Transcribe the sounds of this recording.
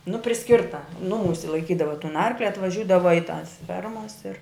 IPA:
nʊ pʲrʲɪˈsʲkʲɪrtɐ ˈnʊˌmuːsʲɪ lˠɐɪˈkʲiːdɐʋɐ tʊn ˈɐrklʲɪ ɐtʋɐˈʒʲuːdɐʋɐ ɪ tɐs ˈfʲɛrmɐs ɪr

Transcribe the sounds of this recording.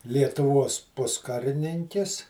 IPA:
lʲiɛtʊˈʋuɔs ˈpʊskɐrʲɪnʲɪŋʲkʲɪs

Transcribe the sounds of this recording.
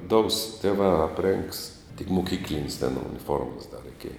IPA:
doːʊs tʲeːˈʋɑː ɐpʲˈrʲeːŋks tʲɪk mʊˈkʲiːklʲɪnʲɪs tʲɛn ʊnʲɪˈfoːrmɐs dɐ rʲɛɪˈkʲeːjɛ

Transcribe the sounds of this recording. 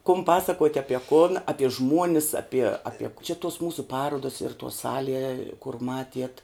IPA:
kʊm ˈpɑːsɐkuɔtʲ ɐˈpʲiɛ kʊn ɐˈpʲiɛ ˈʒmuɔnʲɪs ɐˈpʲiɛ ɐˈpʲiɛ t͡ʃʲɛ tuɔs ˈmuːsʊ ˈpɑːruɔdɐs ɪr tuɔ ˈsɑːlʲiɛ kʊr ˈmɑːtʲiɛt

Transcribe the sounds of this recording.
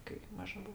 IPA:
kɐɪ ˈmɑːʒɐ ˈbuɔ

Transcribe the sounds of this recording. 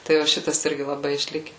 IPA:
ˈtɐɪ ʋɐ ˈʃʲɪtɐs ˈɪrʲɡʲɪ lˠɐˈbɐɪ ɪʃʲˈlʲɪkʲɛ

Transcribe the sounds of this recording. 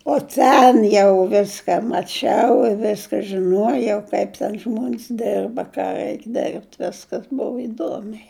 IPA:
oː ˈtʲɛn jɛʊ ˈʋʲɪskɐ mɐˈt͡ʃʲɛʊ ɪ ˈʋʲæːskɐ ʒʲɪˈnuɔjɛʊ kɐɪp ˈtʲɛn ˈʒmuɔnʲs ˈdʲɛrbɐ ˈkɑː ˈrʲɛɪk dʲɛrʲpʲtʲ ˈʋʲɪskɐs ˈboːʋɐ ɪˈduɔmʲɛɪ

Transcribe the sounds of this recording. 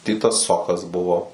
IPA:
ˈtʲɪtɐs ˈsoːkɐs ˈbʊʋoː

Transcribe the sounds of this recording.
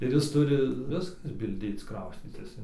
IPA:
ɪr ˈjɪs ˈtʊrʲɪ ˈʋʲɪskɐs bʲɪlʲˈdʲeːt͡s ˈkrɐʊsʲt͡sʲiːtʲɪs ɪn

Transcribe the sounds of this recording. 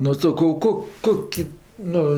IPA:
nʊ sɐˈkɐʊ ˈkoːk ˈkoːkʲɪ ˈnʊ

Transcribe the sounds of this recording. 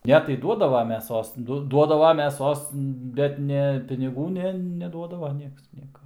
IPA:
ˈnʲɛ tɐɪ ˈduɔdɐʋɐ mʲɛˈsoːs ˈdʊ ˈduɔdɐʋɐ mʲɛˈsoːs ˈbʲɛt nʲɛ pʲɪnʲɪˈɡuː ˈnʲɛ nʲɛˈduɔdɐʋɐ ˈnʲiɛks ˈnʲiɛkɐ

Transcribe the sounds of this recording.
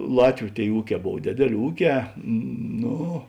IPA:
ˈlˠɑːtʲʋʲʊ ˈtʲeːɪ ˈuːˌkʲɛː ˈboːw ˈdʲeːdʲeːˌlʲeː ˈuːˌkʲɛː ˈnoː

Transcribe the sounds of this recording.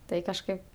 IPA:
ˈtɐɪ kɐʃˈkɐɪp

